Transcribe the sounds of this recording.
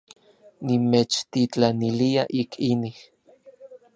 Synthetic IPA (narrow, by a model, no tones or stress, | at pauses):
nimet͡ʃt̪it͡ɬaniliaʔikʰinih